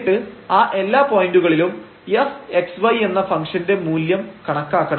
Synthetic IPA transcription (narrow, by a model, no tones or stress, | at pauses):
ʈːɨaːʔe̞lːaːpo̞ːjinduɣɐɭilum | jese̞ksʋɐje̞nːɐfɐŋkʂɐnde̞muːljɐmkɐɳɐkːaːkːɐɳ